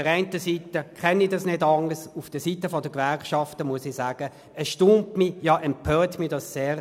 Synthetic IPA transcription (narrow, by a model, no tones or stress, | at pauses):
əʁæɪntəsitəkʰɛnːidɑsnɪdɑŋəsufd̥əsitəfɔdəkʋɛʁkʃɑftəmuəsɪsæːɡ̥ə | əsʃtuːmtmijɑʔɛmpʰœːtmiːɐdɑsːeːʁ